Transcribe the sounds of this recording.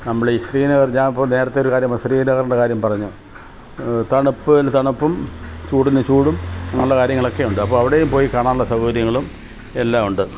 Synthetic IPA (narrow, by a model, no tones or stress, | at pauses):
nɐmːɐɭeisriːnɐɣɐrɲaːmipːoːne̞ːɾɐt̪ːeo̞ɾukaːɾjɐmɐsriːnɐɣɐrɳɖekaːɾjɐmpɐrɐɲːu | t̪ɐɳupːɨt̪ɐɳupːumt͡ɕuːɽinːɨt͡ɕuːɽumɲɐŋːɐɭuɽekaːɾjɐŋːɐɭo̞kːe̞uɳɖɨɐpːoːɭɐʋiɽe̞jumpo̞ːjikaːɳaːnuɭːɐsɐɦɐʋɐɾjɐŋːɐɭum | e̞lːaːmuɳɖɨ